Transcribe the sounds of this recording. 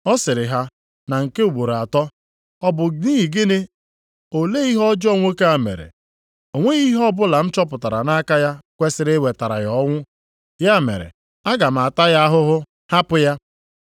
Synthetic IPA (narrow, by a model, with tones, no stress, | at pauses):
ɔ˦sɪ˨ɾɪ˨ɦa˦ | na˨ŋ̩˨ke˦u˨ɡ͡bo˨ɾa˨tɔ˦ | ɔ˦bʊ˨ni˦ɦi˨ɡe˦ne˦ | o˨le˦i˦ɦɔ˦d͡ʒɔ˦ŋʷo˦ke˦a˨mḛ˨ɾḛ˨ | o˨ŋʷe˦ɣi˦ɦɔ˦bʊ˦la˨m̩˦t͡ʃɔ˦pʊ˨ta˨ɾa̰˨na˦ka˦ja˦kʷe˦sɪ˨ɾɪ˦we˨ta˨ɾa̰˨jɔ˦ŋʷʊ˦ | ja˦˨mḛ˨ɾḛ˨ | a˦ɡa˨m̩˨a˨ta˦ja˦ɦʊ˦ɦʊ˦ | ha˦pʊ˦ja˦